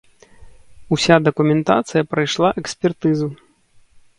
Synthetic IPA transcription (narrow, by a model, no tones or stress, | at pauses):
usʲad̪ɐkumʲɛnt̪a̰t̪sɨjɐpɾɐjʂlˠaʔɛksʲpʲɛrt̪ɨzu